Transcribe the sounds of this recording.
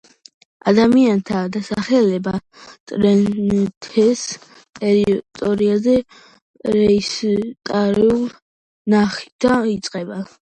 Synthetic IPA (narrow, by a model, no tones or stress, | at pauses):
a̰d̪amiant̪ʰad̪asaχɛlɛba | t̪ʼɾɛt̪ʰɛs | tʼɛɾit̪ʼɔɾiazɛ | ɾɛist̪ʼaɾiul | naχi̥d̪ait̪sʼqʼɛba